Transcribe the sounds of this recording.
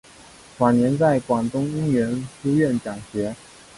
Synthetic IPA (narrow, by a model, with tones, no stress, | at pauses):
fwa˨˩njɛ˧˥nt͡sa˥˩ɪkwɑ˨˩ŋt̪ʊ˥ŋi˥ŋɥɛ˧˥nfu˥ɥɛ˥˩nt͡ɕjɑ˨˩ŋɕɥɛ˧˥